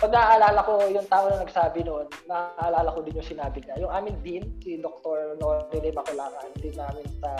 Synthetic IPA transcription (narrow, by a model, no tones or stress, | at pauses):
pɐɡ̚nɐʔaʔɐlaːlɐkojʊŋt̪aːʔonɐnɐɡsaːbɪnoʔnːɐʔʔɐlaːlɐkod̪ɪnjʊŋsɪnaːbɪɲɐjʊŋʔaːmɪnd̪insid̪ok̚t̪oɹnoːɾɪd̪ɛmɐkʊlaːŋɐnd̪ɪnːaːmɪnsɐ